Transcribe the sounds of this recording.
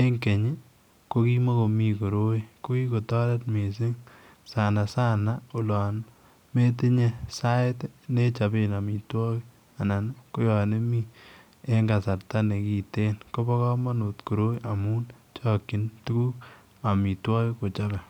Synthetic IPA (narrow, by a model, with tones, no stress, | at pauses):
e˦ŋke˨ɲi˦ | ko˦ki˦mo˦ko˨mi˨ko˨ɾo˦i˦ko˦ki˦ko˨tɔ˦ɾɛ˦tme˨sɪ˦ŋ | sa˨na˨sa˦na˨u˨lɔː˨n | me˦t̬i˦ɲe˦sa˦ɪ˦tne˦t͡ʃa˨bi˦na˨mi˨twɔ˦ki˦ | a˨na˨n˦ko˦jɔ˨ne˦mi˦ | e˦ŋɡa˨sa˨ɾta˦ne˨ki˨te˦nko˦bɔ˦kɔ˦ma˦nu˨tku˨ɾo˦i˦ʔa˨mu˦n | t͡ʃɔː˦kːi˨˦ntu˦ku˦k | a˨mi˨twɔː˦ki˦ko˨t͡ʃa˦bɛ˨